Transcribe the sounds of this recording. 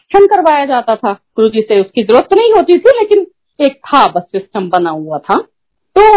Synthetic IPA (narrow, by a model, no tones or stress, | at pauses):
ʃʰənkɐɾʋaːjad͡ʒaːt̪at̪ʰakɾud͡ʒiseʊskizɐɾuːɾət̪ːonɐɦĩɦoːt̪it̪ʰileːkɪn | eːk̚t̪ʰabɐsːɪsʈəmbɐnaɦuat̪ʰaː | t̪oː